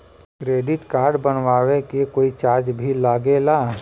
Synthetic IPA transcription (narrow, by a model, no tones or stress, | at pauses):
kɾeːɖɪʈkaːɾɖbənʋaːwekekoːit͡ʃaːɾd͡ʒbʱilaːɡelaː